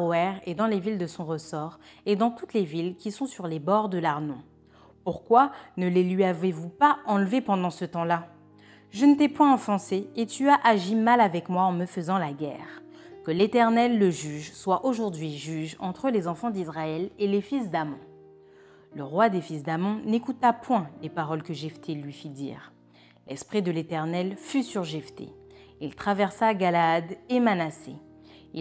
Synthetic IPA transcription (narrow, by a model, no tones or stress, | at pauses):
ʁoɛʁed̪ɑ̃levild̪əsɔ̃ʁəsɔʁed̪ɑ̃t̪ut̪levilkʲisɔ̃syʁlebɔʁd̪əlaʁnɔ̰̃ | puʁkwanəlelɥiavevupaɑ̃lvepɑ̃d̪ɑ̃sət̪ɑ̃la | ʒənət̪ɛpwɛ̃ɑ̃fɑ̃seet̪yaʔaʒimalavɛkmwaɑ̃məfəzɑ̃laɡʲɛ̰ʁkəlet̪ɛʁnɛlːəʒyʒswaʔoʒuʁd̪ɥiʒyʒɑ̃t̪χəlezɑ̃fɑ̃d̪izʁaɛlelefis̬d̪amɔ̰̃ | ləʁwad̪efisd̪amɔ̃nekut̪apwɛ̃lepaʁɔlkəʒift̪ʰelɥifid̪ḭːʁ | lʔɛspχid̪əlet̪ɛʁnɛlfysyʁʒɛft̪ḛ | ilt̪χavɛʁsaɡalaːd̪emanasḛ